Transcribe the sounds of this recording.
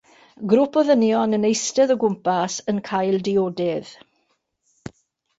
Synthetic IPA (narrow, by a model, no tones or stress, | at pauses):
ɡɾʊpʰɔðənjɔnənejstɛðəɡʊmpasənkʰajlˠdɪoːdɪð̥